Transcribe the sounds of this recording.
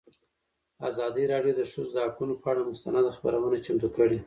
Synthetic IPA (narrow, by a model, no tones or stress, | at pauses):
azɑd̪əɾɑɖjod̪əʂuzd̪əhakunopəaɽamʊst̪anɑd̪axpa̰ɾawənat͡ʃamt̪ukəɽi